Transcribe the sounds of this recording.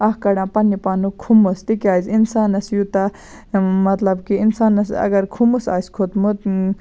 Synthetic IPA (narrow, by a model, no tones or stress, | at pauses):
ɐhkɐɽãːpɐnipaːnukʰumust̪ikiaːzinsaːnɐsjut̪ɐ | mɐt̪lɐbkiinsaːnɐsɐ̰ɡɐɾkʰumusa̰ːskʰot̪mut̪